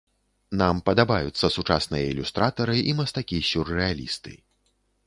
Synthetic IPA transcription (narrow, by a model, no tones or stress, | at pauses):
nampɐd̪abajut̪sːɐsut͡ʂasnɨjɐilʲust̪ɾat̪ɐɾɨʔimɐst̪akʲisʲurːɛalʲḭst̪ɨ̰